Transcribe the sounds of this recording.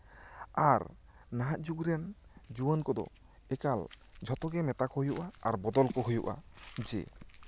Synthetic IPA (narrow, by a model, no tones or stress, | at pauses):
aɾ | naɦat̪̚d͡ʒuɡɾɛnd͡ʒuwənkɔd̪ɔ̰ | ɛkal | d͡ʒʱɔt̪ɔɡɛmɛt̪akɔhujuʔaːɾbɔd̪ɔlkɔɦujṵʔa̰d͡ʒḛ